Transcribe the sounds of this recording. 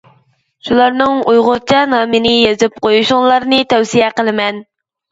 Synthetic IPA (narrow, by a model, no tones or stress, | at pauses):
ʃulˠɑɾnɨŋujʁʊɾt͡ʃʰɑnɑːmɨnɪjezɪp̚qʰojuʃʊŋlˠɑɾnɨt̪ʰɛwsijɛqəlˠɨmɛn